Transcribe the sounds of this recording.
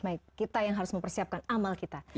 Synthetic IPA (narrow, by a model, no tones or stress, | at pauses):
baɪkkːit̪ajaŋɦaɾʊsməmpərsiap̚kanamalkit̪a